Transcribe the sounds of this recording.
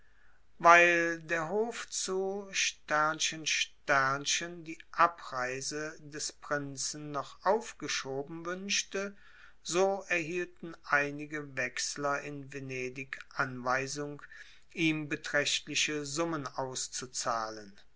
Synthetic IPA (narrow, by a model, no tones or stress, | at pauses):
vaɪldeːɐɦoːft͡suʃtæɐnʃənʃtæɐnʃəndiːʔapʁaɪzədɛspʁ̥ɪnt͡sn̩nɔχʔaʊfɡ̥əʃoːbm̩vʏnʃtə | zoːɛɐɦiːltn̩ʔaɪnɪɡəvɛkslɐɪnveneːdɪkʔanvaɪzʊŋ | ʔiːmbətʁ̥ɛʃtlɪʃəzʊmənaʊst͡sut͡saːlən